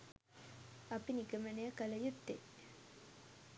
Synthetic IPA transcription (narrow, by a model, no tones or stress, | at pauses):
ɐpinikəmənejəkɐləjut̪ːe